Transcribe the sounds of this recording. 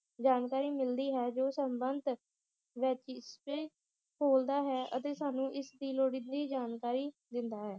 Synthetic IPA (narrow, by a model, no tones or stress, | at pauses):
d͡ʒaːnkaːɾiːmɪld̪iːɦɛːd͡ʒoːsəmbənd̪ | ʋɪt͡ʃspeː | kʰoːld̪aːɦɛːʔət̪eːsaːnũːʔɪsd̪iːloːɽɪnd̪iːd͡ʒaːnkaːɾiːd̪ɪnd̪aːɦɛː